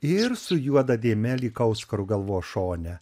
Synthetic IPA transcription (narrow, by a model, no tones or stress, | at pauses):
ɪɾsʊjuɔd̪ɐd̪ʲeːmʲɛlʲiːkɐʊskɐɾʊɡɐlˠʋoːʃoːnʲɛ